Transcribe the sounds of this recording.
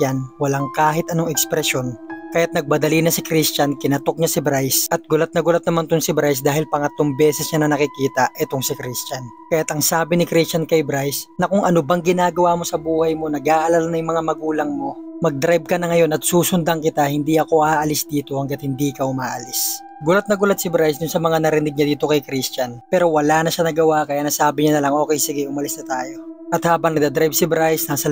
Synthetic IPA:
anwɐlaŋkaːɦɪt̪ʔɐnoŋɛkspɾɛsjo̞nkɐjat̪̚nɐɡ̚bɐd̪ɐlinɐsɪkɾist͡ʃankɪnɐt̪o̞k̚ɲasɪbɾajsʔɐt̪̚ɡʊlat̪̚nɐɡʊlat̪̚nɐmant̪ʊŋsɪbɾajs̬d̪aːhɪlpɐŋɐt̪loŋbɛːsɛsɲanɐnɐkɪkiːt̪ɐʔɛt̪o̞ŋsɪkɾist͡ʃan | kɐjat̪ɐŋsaːbɪnɪkɾist͡ʃɐnkɐjbɾajsnɐkʊŋʔɐnobaŋɡɪnaːɡɐwamo̞sɐbuːhɐjmo̞nɐɡaːʔɐlalnɐjʊŋmɐŋamɐɡuːlɐŋmo̞mɐɡ̚d̪ɾajb̚kɐnɐŋɐjo̞nɐt̪̚suːsʊnd̪ɐŋkɪt̪ahɪnd̪iɐko̞ʔaːʔɐlɪsd̪iːt̪o̞hɐŋɡɐt̪hɪnd̪iːkɐʊmaːʔɐlɪs | ɡʊlɐt̪̚nɐɡʊlɐt̪̚sɪbɾajsd̪ʊnsɐmɐŋanɐɾɪnɪɡ̚ɲad̪iːt̪o̞kɐjkɾist͡ʃɐnpɛːɾo̞wɐlanɐʃanɐɡɐwakɐjanɐsaːbɪɲanɐlɐŋʔo̞ːkɛjsɪɡɛʔʊmɐlɪsnɐt̪aːjo̞ʔɐt̪haːbɐŋnɐɡd̪ɐd̪ɾajb̚sɪbɾajsnɐsɐ

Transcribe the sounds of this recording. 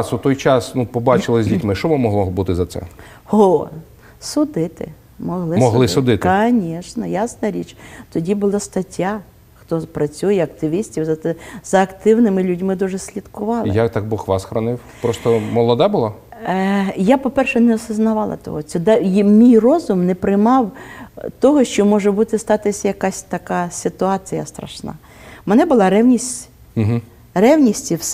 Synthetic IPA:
sut̪ɔjt͡ʃɑsnupɔbɑt͡ʃɪlˠɪzʲdʲitʲmɪʃt͡ʃɔʋɔmɔɦlˠɔbut̪ɪzɐt̪sɛ̰ho | sʊd̪ɪt̪ɪ̰ | mɔɦlˠɪmɔɦlˠɪsʊd̪ɪt̪kɐnʲiʃnɐjasnɐɾʲit͡ʃt̪ɔdʲibʊlˠast̪ɐtʲːa | xt̪ɔpɾɐt͡sʲujɛɐkt̪ɪʋʲisʲtʲiwzɐɛzɐːkt̪ɪwnɪmɪlʲudʲmɪd̪uʒɛsʲlʲid̪kʊʋɑlˠɪjakt̪ɑɡ̚bɔxʋɑsxɾɔnɪwpɾɔst̪ɔmɔlˠɔd̪abʊlˠa | japɔpɛrʃɛnɛɔsɪznɐʋɑlˠɐ̰t̪ɔ̰ɦɔt͡sʲɛd̪ɛmʲijrɔzʊmnɛpɾɪjmɑwt̪ɔɦɔʃt͡ʃɔmɔʒɛbut̪ɪst̪ɑt̪ɪsʲɐjɐkasʲt̪ɐkɑsʲɪt̪ʊɑt͡sʲijɐst̪ɾɐ̰ʃnɑ̰ | mɛnɛbʊlˠɑɾɛwnʲisʲt̩ʲ | ɦ̩ | rɛwnʲisʲtʲiws

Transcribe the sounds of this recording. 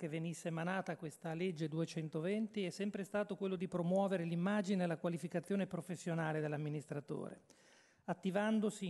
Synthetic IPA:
kevenisːemanaːt̪akwest̪aled͡ʒːed̪uet͡ʃɛnt̪ovent̪iɛsːɛmpɾest̪aːt̪okwelːod̪ipɾomwɔːveɾelimːaːd͡ʒinelakwalifikat̪sːjoːnepɾofesːjonaːled̪elːamːinist̪ɾat̪o̰ːɾḛ | at̪ːivand̪osi

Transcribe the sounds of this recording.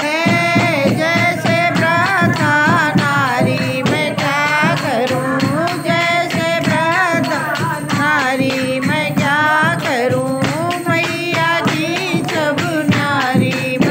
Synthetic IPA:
ɦe | d͡ʒɛːsebɾəd̪ʱanaːɾi | mɛ̃kjaːkəɾũ | d͡ʒɛːsebɾɐd̪ʱa | naːɾi | mɛ̃kjaːkəɾũ | məi | jaːki | t͡ʃʰəbunaɾi | mɛ̃

